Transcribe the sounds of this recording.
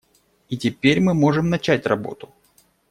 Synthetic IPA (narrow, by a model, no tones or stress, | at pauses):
itʲɪpʲeɾʲmɨmo̞ʐɨmnɐt͡ɕætʲrɐbo̞̰t̪ʊ̥